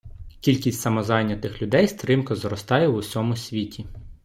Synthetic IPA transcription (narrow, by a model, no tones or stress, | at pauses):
kʲilʲkʲisʲtʲsɐmɔzɑjnʲːɐt̪ɪxlʲʊd̪ɛjst̪ɾɪmkɐzɾɔst̪ɑjɛwʊsʲɔmʊsʲʋʲitʲi